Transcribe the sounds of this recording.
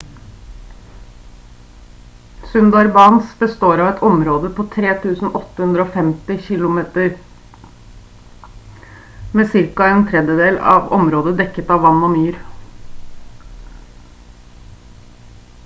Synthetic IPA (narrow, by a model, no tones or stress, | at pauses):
sʉnd̪ɑɾbɑːnsbəst̪oːɾɑʋɛt̪ʰɔmɾoːd̪əpʰoːt̪ʰɾeːt̪ʰʉːsn̩ʔɔt̪ːəhʉnd̪ɾəoːfɛmt̪ɪçɪlʊmeːt̪əɾ | meːsɪɾkɑeːnt̪ʰɾɛd̪jəd̪eːlɑ̰ʋɔ̰mɾoːd̪əd̪ɛkːət̪ɑʋɑnːoːmyːɾ